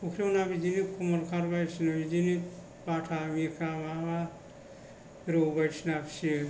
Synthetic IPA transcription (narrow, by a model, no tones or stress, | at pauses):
ukʰɾenabid͡ʒinikʰumɔɾkʰaɾbajɾsinabid͡ʒini | batʰamiɾkʰɾamama | ɾobajɾsinapʰsi